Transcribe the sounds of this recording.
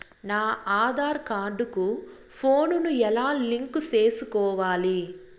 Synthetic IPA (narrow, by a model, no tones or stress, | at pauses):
naːaːd̪ʱaːɾkaːɾɖuku | pʰoːnunuɛlaːliŋkut͡ʃe̞ːsukɔːʋaːli